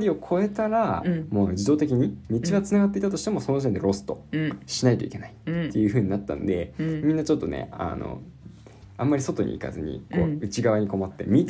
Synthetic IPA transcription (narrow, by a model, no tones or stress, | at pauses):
ɾʲio̞kʰo̞e̞t̪aɾamo̞ːd͡ʑid̪o̞ːt̪e̞kʲiɲ̟imʲit͡ɕiβat͡sɨnaɡat̪ːe̞it̪at̪o̞ɕi̥t̪e̞mo̞so̞no̞ʑit̪end̪eɾo̞sɨ̥t̪o̞ɕinait̪o̞ike̞nait̪ːe̞jɯ̟ɸɯ̟ːɲ̟inat̪ːã̰nod̪e̞mʲĩnːat͡ɕo̞t̪ːo̞̰nḛa̰no̰ | ãmːaɾʲiso̞t̪o̞ɲ̟ḭḭka̰zɨ̰ɲ̟ḭko̞̰ːɯ̟t͡ɕiɡaβaɲ̟iko̞mat̪ːe̞̰mʲi